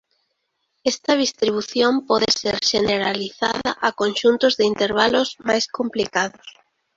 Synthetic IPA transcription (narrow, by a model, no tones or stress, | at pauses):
ɛst̪ɐð̞ist̪ɾiβ̞uθjompɔðɪseɾʃeneɾaliθa̰ðaʔakonʃunt̪ʊzðɪint̪eɾβ̞alʊzmajskomplikaðʊs